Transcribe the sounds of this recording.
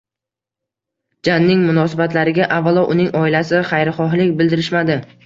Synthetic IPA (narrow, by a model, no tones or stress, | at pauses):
d͡ʒanːɪŋmʊnɒsɪbat̪laɾɪɡʲaʔavːalˠɒʔʊnɪŋʔɒɪlasɪχajɾχɒɦlɪkʲbɪld̪ɪɾɪʃmad̪ɪ